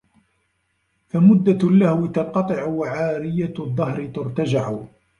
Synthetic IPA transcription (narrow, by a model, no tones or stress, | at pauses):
famʊd̪ːalːahwɪt̪ɑqɑt̪ˤɨʕʊwaʕaːɾɪjaðˤːɑhɾɪt̪ʊɾt̪ad͡ʒaʕʊ